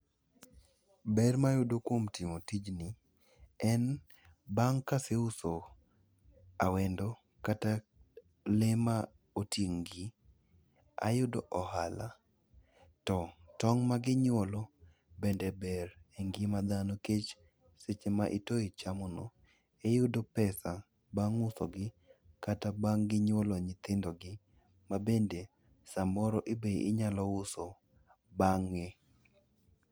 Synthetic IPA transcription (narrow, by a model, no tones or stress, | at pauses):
bɛrmajʊdokwomtimotid͡ʒnɪ | ɛn | baŋkaseʊso | a̰wendo | kata | lema | otjeŋɡi | a̰jʊdoʔɔhala̰ | tɔtɔŋmaɡɪɲɔlɔ | bendɛbɛreŋɡɪmad̪anoket͡ʃ | set͡ʃemaʔitoit͡ʃamono | ejʊdopɛsa | baŋʊsoɡɪ | katabaŋɡɪɲwoloɲɪt̪ɪndoɡɪ | mabende | samɔɾɔʔebeɪ̰ɲalɔʊso | baŋːe